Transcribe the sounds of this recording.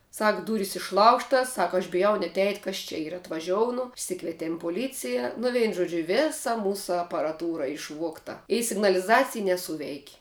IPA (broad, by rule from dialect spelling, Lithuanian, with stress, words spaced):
ˈsɐk ˈduːrʲiːs ɪʃˈlˠɐʊʃtɐs ˈsɐk ɐʃ bʲɪˈjɛʊ nʲɛt ɛɪtʲ ˈkɐs t͡ʃʲɛ ˈiːrɐ ɐtʋɐˈʒʲoːʊnʊ ɪʃʲˈsʲɪkʋʲiɛtʲeːm poːˈlʲiːt͡sʲɪjɛ nʊ ˈʋʲɛɪnʊ ˈʒuɔd͡ʒʲʊ ˈʋʲeːsɐ ˈmuːsʊ ɐpɐrɐˈtuːrɐ ɪʃˈʋuɔktɐ ɪ sʲɪɡnɐlʲɪˈzɑːt͡sʲɪj nʲɛˈsuːʋʲɛɪkʲ